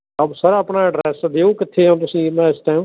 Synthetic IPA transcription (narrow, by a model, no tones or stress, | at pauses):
əbsəɾəpɳaːɖɾɛːsd̪eːoːkɪt̪ʰːeːãːt̪̬ʊsĩːmɛ̃ːɪsʈaːjũː